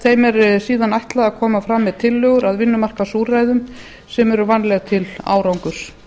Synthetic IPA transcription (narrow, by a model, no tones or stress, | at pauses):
θejmɛɾsiːðanajht̪laðaðkʰɔːmafɾamːɛðt̪ʰɪlːʏɣʏɾaðvɪnːʏmar̥kasuːɾajðʏm | sɛmɛɾʏvanlɛɣat̪ʰɪla̰ːwɾawŋkʏs